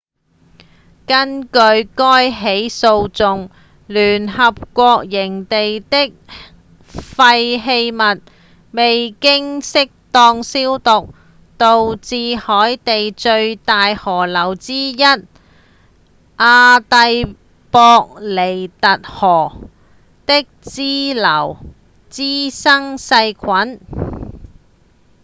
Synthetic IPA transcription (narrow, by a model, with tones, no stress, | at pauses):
kɐ˥nkɵ˧ɥkɔː˥jɦe˨˥jso˧wt͡sʊ˨ŋ | lyː˨˩nhɐ˨p̚kʷɔː˧k̚jɪ˨˩ŋt̪e˨jt̪ɪ˥k̚ | fɐ˧jɦe˧jmɐ˨t̚ | me˨jkɪ˥ŋsɪ˥k̚t̪ɔː˧ŋsiː˥wt̪ʊ˨k̚ | t̪o˨wt͡siː˨hɔː˨˥jt̪e˨jt͡ʃɵ˧ɥt̪aː˨jhɔː˨˩lɐ˨˩wt͡siː˥jɐ˥t̚ | ʔaː˧t̪ɐ˧j | pɔː˧k̚le˨˩jt̪ɐ˨t̚hɔː˨˩ | t̪ɪ˥k̚t͡siː˥lɐ˨˩w | t͡siː˥sɐ˥ŋsɐ˧jkʰɐ˨˥n